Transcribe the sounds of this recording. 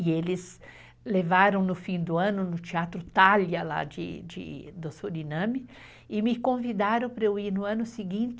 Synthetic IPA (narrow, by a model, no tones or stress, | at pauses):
ɪelɪz | levaɾɐ̃w̃nʊfĩd̪ʊɐ̃nʊnʊt͡ʃiat̪ɾʊt̪aljɐla̰d͡ʒɪ̰d͡ʒɪ̰d̪ʊsoɾinɐ̃mɪ | ɪmɪkõvid̪aɾɐ̃w̃pɾɐewiɾnʊɐ̃nʊsɪɡĩnt͡ʃ̪ɪ